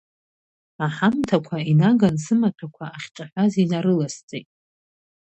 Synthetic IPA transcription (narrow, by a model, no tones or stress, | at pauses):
aħamtʰakʷʰainaɡansɨmatʰakʷʰaaχʲʈ͡ʂʼaħʷazinaɾɨlast͡sʼejtʼ